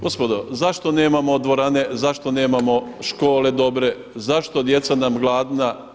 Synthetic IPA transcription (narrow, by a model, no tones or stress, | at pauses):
ɡospod̪ozaʃt̪o̞ne̞ːmamod̪ʋo̞ɾane̞zaʃt̪o̞ne̞ːmamo̞ʃko̞ːle̞d̪o̞bɾe̞ | zaʃt̪od̪je̞t̪sanamɡlˠaːd̪na